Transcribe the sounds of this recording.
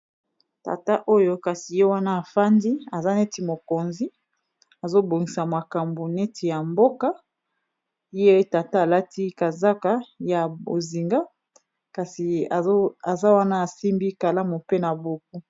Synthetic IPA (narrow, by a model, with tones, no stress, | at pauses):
ta̰˨ta˦ʔo˦jo˦ka˨si˨je˦wa˦na˦a˨fa˦ndi˦a˨za˦ne˦ti˨mo˨ko˨nzi˦ | a˨zo˦bo˨ŋi˨sa˨ma˨ka˨mbo˨ne˦tʰi˨ja˨mbo˦ka˦ | je˦ta˨ta˦a˨la˦tʰi˦ka˨za˦ka˦ja˨bo̰˨zi˨ŋɡa˦ | ka˨si˨˦a˨za˦wa˦na˦a˨si˦mbi˦ka˨la˦mu˨pe˦na˨bo˨k̚u˦